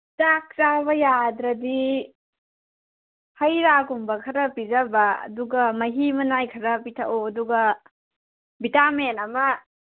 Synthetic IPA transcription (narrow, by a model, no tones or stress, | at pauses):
tak̚ɾaβɐjadɾɐdi | hɐjɾaɡumbɐkʰɐɾɐpizɐbɐɐ̰duɡɐmɐɦimɐnajkʰɐɾɐpitʰɐ̰ʔoɐduɡɐ | bitamenɐmɐ